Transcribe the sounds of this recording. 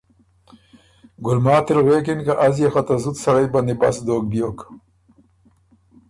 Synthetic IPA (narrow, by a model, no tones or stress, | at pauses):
ɡʊlmɑːt̪ɪlɣeːkɪnkaʔazjexat̪azut̪saɽajband̪iba̰sd̪oːk̚bjoːk